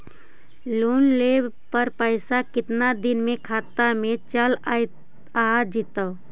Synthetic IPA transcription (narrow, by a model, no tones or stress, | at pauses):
luːnleːb | pəɾpəɪsakɪt̪nad̪ɪnmẽkʰaːt̪amẽt͡ʃəl | ad͡ʒɪt̪əː